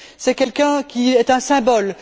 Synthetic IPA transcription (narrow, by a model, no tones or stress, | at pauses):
sɛkʲɛlkʲɛ̃kʲiɛt̪ɛ̃sɛ̃bɔl